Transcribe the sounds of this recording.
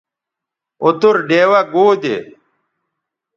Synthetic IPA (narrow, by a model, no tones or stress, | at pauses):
ot̪uɾɖeːwɐɡoːd̪ḛ